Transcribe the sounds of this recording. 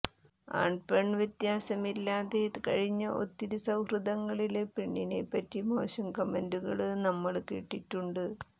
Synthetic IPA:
a̰ːɳɖpeɳʋjet̪jaːsɐmilːaːðekɐ̰ɻiɲːɐʔo̞̰t̪ːiɾusɐwhrɨd̪ɐŋːɐɭilepeɳːinejpːɐtːimo̞̰ːɕɐmkɐmenduɣɐ̰ɭɨnɐmːɐɭkḭːʈːiʈːuɳɖɨ

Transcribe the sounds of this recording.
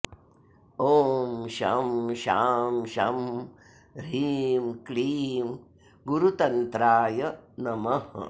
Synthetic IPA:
oːmʃɐ̰mʃaːmʃɐm | ɾiːmkliːm | ɡuɾut̪ɐnt̪ɾaːjɐnɐmɐɦ

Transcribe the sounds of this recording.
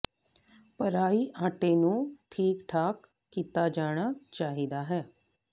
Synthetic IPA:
pəɾaːiːʔãːʈeːnũːʈʰiːkʈʰaːkː | iːt̪aːd͡ʒaːɽ̃aːt͡ʃaːɦid̪aːɦɛː

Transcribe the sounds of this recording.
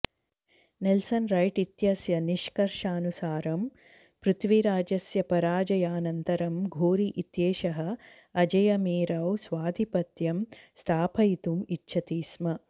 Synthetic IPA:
nelsɐnɾɐjʈit̪jɐsjɐniʃkɐɾʂaːnusaːɾɐm | pɾut̪ʰʋiɾaːd͡ʒɐsjɐpɐɾaːd͡ʒɐjaːnɐnt̪ɐɾɐmɡʱoːɾiʔit̪jeːʃɐɦɐ̆ | ɐd͡ʒɐjɐmiːɾɐwsʋaːd̪ʱipɐt̪jɐmst̪ʰaːpʰɐjit̪umitːʃʰɐt̪iːsmɐ

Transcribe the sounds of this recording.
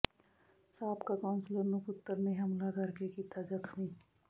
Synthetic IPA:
saːbkakaːʊnsləɾnʊkʊt̪ːəɾneɦɐmlakɐɾkekit̪ʰad͡ʒɐkʰmiː

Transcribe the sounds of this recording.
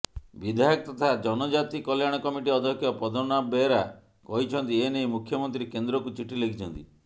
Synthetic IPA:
bid̪ʱajɔk̚t̪ɔt̪ʰad͡ʒɔnɔd͡ʒat̪ikɔljaɽ̃ɔkɔmiʈiɔd̪ʱɔkʰjɔpɾɔd̪ʱɔnabeɾa | kɔɦit͡ʃʰɔnt̪ieneimukʰjɔmɔnt̪ɾikend̪ɾɔkut͡ʃiʈilekʰit͡ʃʰɔnt̪i

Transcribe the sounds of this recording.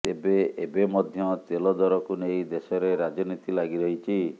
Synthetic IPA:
t̪ebeebemɔd̪ʱjɔt̪elɔd̪ɔɾɔkunejd̪esɔɾeɾad͡ʒɔnit̪ilaɡiɾɔɦit͡ʃʰi

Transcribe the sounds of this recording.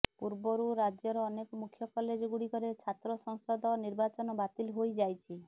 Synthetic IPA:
puɾbɔɾuɾad͡ʒjɔɾɔːnekɔmukʰjɔkɔled͡ʒɔɡuɽikɔɾet͡ʃʰat̪ɾɔsɔŋsɔd̪ɔniɾbat͡ʃɔnɔbat̪ilɦojd͡ʒajt͡ʃʰi

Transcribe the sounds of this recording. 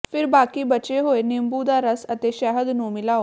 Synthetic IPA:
pʰɪɾbaːkiːbət͡ʃeːɦoːenɪmbuːd̪aːɾəsət̪eːʃɛɦəd̪nũːmɪlaːo

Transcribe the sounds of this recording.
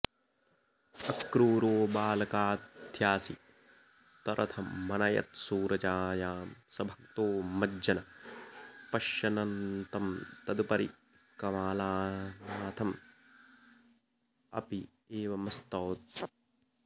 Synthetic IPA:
ɐkɾuːɾoːbaːlɐkaːd̪ʱjaːsḭ | t̪ɐɾʔɐt̪ʰɐːɐnɐjɐ̰t̪suːɾɐd͡ʒaːjaːmsɐbʱɐkt̪oːmɐd͡ʒɐnɐ | pɐʃjɐnɐnt̪ɐmt̪ɐd̪upɐɾḭ | kɐʋaːlaːnaːt̪ʰɐm | ɐ̰pi | eːʋɐmɐst̪ɔːt̪̚

